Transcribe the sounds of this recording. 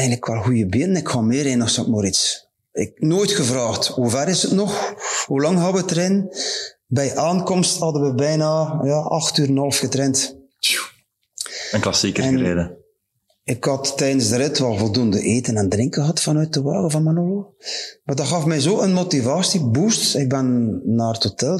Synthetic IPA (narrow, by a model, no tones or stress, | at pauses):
ɛjnləkʰʋalˠhujəbjɪnənɪkhɑmɪːɾenɔxsɔtmoɾits | ɪ̰k̚noːjtxəvraːxthuvɛrɪsətnɔxhulɑŋɦɑʋətərɪn | bɛjʔaːnkɔmsthɑdəʋəbɛjnajɑʔɑxtyːɾənhɑlˠfxətrɛnt | ənklɑsikəɛəɾeːdə | ɪkhɑtːɛjədənzdəɾɪtʰʋɛlˠvɔlˠdundəʔeːtənandrɪŋkəɦɑtfɑnœɥt̚əʋaːɣəvɑnmanoːəmadɑxɑfmɛjzoːənmotivaːsibustɪk̚bɛnːaːrəthotɛlˠ